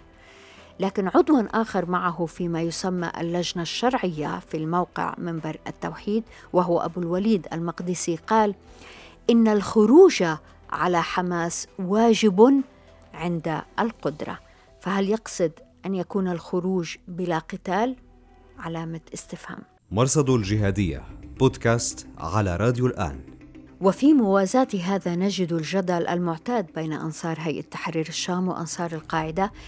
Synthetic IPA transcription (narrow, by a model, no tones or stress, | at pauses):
laːkɪnʕʊd̪wanʔaːxɑɾˤmaʕaɦʊfimajʊsamːa̰ʔa̰lːaʒnaʃːɑɾˤʕɪjːa̰filmawqɪ̰ʕmɪmbɑɾˤʔa̰t̪ːawħiːd̪ | wɪɦʊwaʔa̰bulwaliːd̪ʔa̰lmɑqd̪ɪsiqɑːlʔɪnːalxʊɾuːʒa | ʕalaħamaːswaːʒɪb | ʕɪnd̪aʔalqʊd̪ɾˤɑ̰ | fahaljɑqsˤɨd̪ʔanjakuːnalxʊɾuːʒbɪlaqɪt̪aːl | ʕalaːmat̪ʔɪst̪ɪfha̰m | mɑɾˤsˤɑd̪ˤld͡ʒɪɦaːd̪ɪjːa̰b̥oːd̪kaːst̪ʕala̰ɾˤɑːd̪julʔa̰ːnwɪfimʊwaːzaːt̪iɦaːðanad͡ʒɪd̪alʒad̪alʔa̰lmʊʕt̪aːd̪̚beːna̰ʔɑ̰nsˤɑːɾˤɦajʔat̪ːḁħɾiːɾɪʃːaːmwɪ̰ʔɑ̰nsˤɑːɾˤɪlqɑːʕɪd̪a